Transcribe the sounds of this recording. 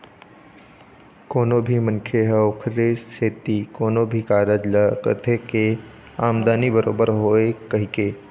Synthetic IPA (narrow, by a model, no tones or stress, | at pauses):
koːnobʱimə̃nkʰeɦɛʊkʰɾeːsseːt̪ikoːnobʱikaːɾəd͡ʒləkə̰t̪ʰeke | aːmd̪aːnibəɾo̰ːbəɾɦoːekɐɦikeː